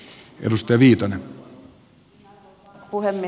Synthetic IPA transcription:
ʔḛdust̪ɑjɑʋiːt̪ɑne | puhemː

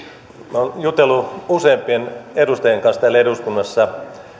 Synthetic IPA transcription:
monjut̪elːuuseːmpienedust̪ɑjeŋkɑnst̪ælːeduskunːɑsːɑ

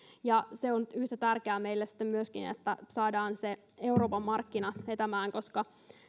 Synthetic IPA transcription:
jɑseonyht̪æt̪ærkeæːmeilːesi̥t̪ːemmyøskinḛt̪ːæsɑːdɑːnse | e̞uɾo̞ːpɑmːɑrkːinɑʋet̪æmæːŋko̞skɑ

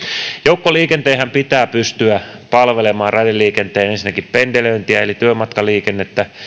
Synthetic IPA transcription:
joukːoliːkent̪eːhæmpit̪æːpyst̪yæ | pɑlʋelemɑːrɑdiliːkent̪eːnensinːækippendeløint̪iæelit̪yømɑt̪kɑliːkenːet̪ːæ

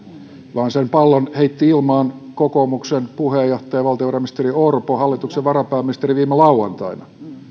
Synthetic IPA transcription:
ʋɑːnsempɑlːonheit̪ːiilmɑːnkokomuksenpuhejoht̪ɑjɑʋɑlt̪ioʋɑrɑmist̪eriorpohɑlːit̪ukseʋʋɑrɑpæːminist̪eriʋiːmelɑuwɑnt̪ɑinɑ̰

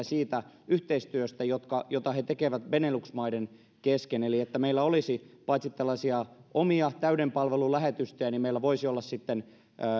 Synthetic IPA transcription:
siːt̪æ | yht̪eist̪yøst̪æjot̪kɑjot̪ɑhet̪ekeʋæt̪ʋeneluksmɑiden | keskeneliet̪ːæmeilːæolisipɑit̪sit̪ːelːɑsiɑʔomiɑt̪æydempɑlʋelulæhet̪yst̪øjænimmeilːæʋoisiolːɑssit̪ːenː

